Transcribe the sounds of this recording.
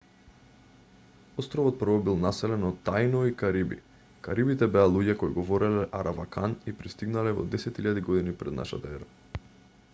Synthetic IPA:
ɔst̪ɾɔvɔt̪̚pr̩vɔbilˠnasɛlɛnɔt̪ːajnɔikaɾibḭ | kaɾibit̪ɛbɛalˠuɟɛkɔiɡɔvɔɾɛlɛʔaɾʔavakanipɾist̪iɡnalɛvɔ̰d̪ɛsɛt̪iʎad̪iɡɔd̪inipɾɛ̰d̪na̰ʃa̰t̪aɛɾa

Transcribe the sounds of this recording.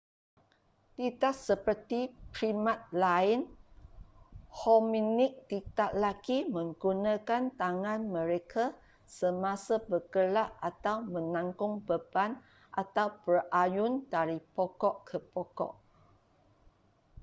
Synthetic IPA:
t̪itaʔsəpərt̪ipɾimãt̪̚laɪn | hɔminɪk̚t̪it̪aʔlaɡimə̃ŋɡunãkant̪aŋãnmə̃ɾekʰa | səmãsabəɡəlaʔat̪awmə̃nãŋkʊŋbəban | ʔat̪awpərʔajʊndaɾipɔkɔʔkʰəpɔkɔ̰ʔ

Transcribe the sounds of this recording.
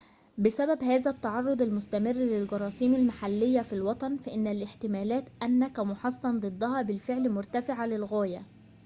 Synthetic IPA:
bɪsæbæbhæːzæt̪ːɑʕɑrˤːod̪ˤalmʊst̪æmɪrːlɪlɡɑɾˤɑːsiːmalmaħalːɪjːæfilwɑt̪ˤɑnfæʔɪnːælʔɪħt̪ɪmæːlæːt̪ʔænːækæmʊħɑsˤːɑnd̪ˤɨd̪ˤːɑhɑːbɪlfeʕlmʊɾˤt̪æfɪʕalɪlɣæːjæ

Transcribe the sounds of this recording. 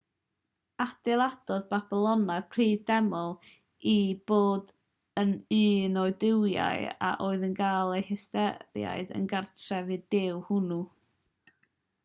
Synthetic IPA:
ad̥ɪlˠad̥ɔðbab̥ɪlˠɔnapʰr̥iːdɛmɔlˠ | ib̥oːd | ənɨːnɔɨdɪwja̰ɨa̰ʔoːɨðənɡaːlˠejhɪstɛɾja̰ɨdə̰nɡartʰrɛvɨdɪwhʊnu

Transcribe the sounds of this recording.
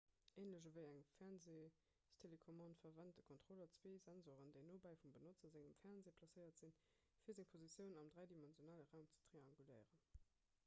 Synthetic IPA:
eːnləɕəvəɪæŋfɛɐnzeː | stʰelekʰomɑ̃ntfɐvænt̚dəkʰontχolɐt͡sweːzænzoːʁəndeɪnoːbæɪfumbənot͡sɐzɪŋəmfæɐnzeːpʰlɑsəɪɐtz̥in | fiɐzɪŋpʰozit͡sjəʊnɑmdʁæɪdimɛnzijonɑːləʁaʊmt͡sə̥tʁ̥eɑŋɡulɜɪʁən

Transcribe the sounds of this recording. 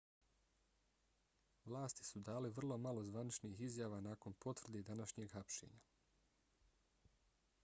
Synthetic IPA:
ʋlˠaːst̪i̥sud̪aːliʋr̩lˠo̞malo̞zʋanit͡ʃniːɦizjaːʋaːnaːko̞npo̞t̪ʋr̩d̪ed̪anaʃɲeːɡxapʃḛɲa

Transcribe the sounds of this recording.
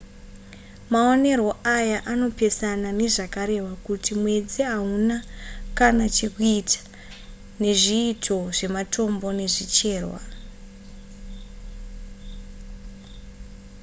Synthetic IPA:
mao̞ne̞ro̞ʔajaʔano̞pe̞sanane̞ʐakaɾe̞wakutimwe̞d͡ziaɦunakanat͡ʃe̞kuitḁ | ne̞ʐiːtʰo̞ʐe̞matʰo̞mbo̞ne̞ʐit͡ʃe̞ːrwa̰

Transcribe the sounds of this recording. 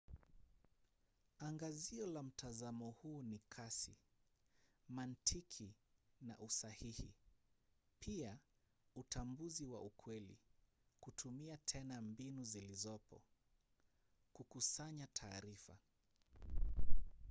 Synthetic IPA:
aŋɡaziɔlam̩tʰazamɔhuːnikʰasḭ | mantʰikʰi | na̰ʔusahihḭ | pʰia | utambuziwa̰ukʰwɛlḭ | kutʰumiatʰɛnambinuzilizɔpɔ | kukusaɲatʰaːɾifa̰

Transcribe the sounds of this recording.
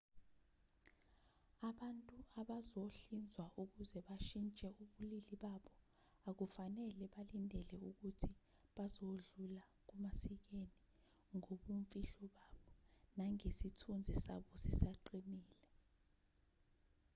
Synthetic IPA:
aɓantʼuaɓazoɬind͡zʱwaʔuk̬uzɛɓaʃint͡ʃʼɛuɓuliliɓaɓɔ | ak̬ufanɛlɛɓalindʱɛlɛuk̬utʰi | ɓazoɮula | k̬umasik̬eni | ŋoɓuɱfʼiɬɔɓaːɓɔnaŋesitʰund͡zʱisa̰ɓɔsisaǃiniːlɛ

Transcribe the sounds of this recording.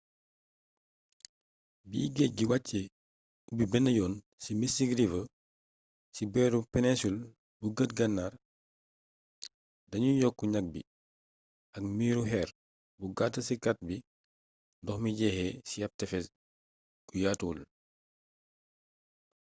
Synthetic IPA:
bḭːɡɛɟiwacːe | ubibɛnːɐjɔːn | simisiɡɾivɐ | sibɛːɾupɛnɛsul | buɡətɡɐnːaːr | dɐɲujɔkːuɲak̚bḭ | ɐkmiːɾuɦɛːɾ | buɡatːɐsikat̚bi | ndɔxmiɟɛːhɛsiɐp̚tɛfɛ | ɡujaːtul

